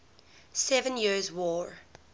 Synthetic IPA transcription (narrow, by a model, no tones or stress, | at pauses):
sɛvə̃njizwɔːɹ